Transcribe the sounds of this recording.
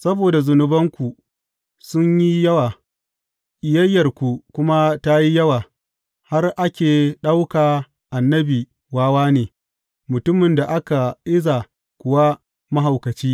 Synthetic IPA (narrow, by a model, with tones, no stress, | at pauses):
sɐ˦boː˨da˨zʊ˨nʊ˨bɐ˦ŋkʷu˨ | sʊ˦ɲji˦jɐ˦waː˨ | ʔɪ˨jɐ˦jːɐ˨rkʷu˨kʷʊ˦ma˦ta˦ji˦jɐ˦waː˨ | ha˦rʔa˦kʲeː˨ɗa˦wkaː˨ | ʔa˨nːɐ˦biː˨ | waː˦waː˦neː˨ | mʊ˨tʊ˦mɪ˨nda˨ʔa˦ka˨ʔɪ˦za˨ | kʷʊ˨wa˦ | mɐ˦ɦa˨wkɐ˨t͡ʃiː˦